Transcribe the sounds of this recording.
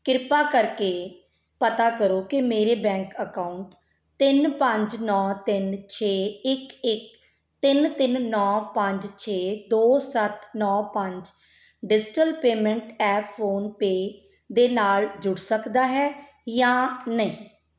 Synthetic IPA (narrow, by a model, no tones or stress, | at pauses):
kɪɾpaːkəɾkeː | pət̪aːkəɾoːkɪmeːɾeːbɛ̃ːŋkəkaʊɳʈ | t̪ɪnpəɲd͡ʒnɔ̃ːt̪ɪnt͡ʃʰeːɪkɪk̚ | t̪ɪnt̪ɪnːɔːpəɲd͡ʒt͡ʃʰeːd̪oːsət̪ʰnɔːpəɲd͡ʒ | ɖɪd͡ʒʈəlpeːmɛ̃ɳʈɛːpfoːnpeː | d̪eːnaːld͡ʒʊɽsəkd̪aːɦɛː | jãːnəĩː